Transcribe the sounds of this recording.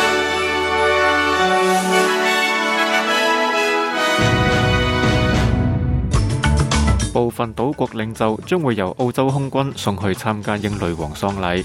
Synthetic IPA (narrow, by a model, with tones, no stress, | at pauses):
po˨wfɐ˨nt̪o˨˥wkʷɔː˧k̚lɪ˨˧˥ŋt͡sɐ˨wt͡sœː˥ŋwuː˨˧jːɐ˨˩wʔo˧wt͡sɐ˥wɦʊ˥ŋkʷɐ˥nsʊ˨˧ŋɦɵ˨˧ɥt͡sʰaː˥mkaː˧˥jɪ˧ŋlɵ˨ɥwɔː˨˩ŋsɔː˧ŋlɐ˨˥j